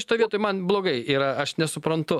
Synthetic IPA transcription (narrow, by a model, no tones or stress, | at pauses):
ɪt̪oːjʋiɛt̪oːjmɐnblˠoːɡɐɪiːɾɐɐʃnʲɛsʊpɾɐnt̪ʊ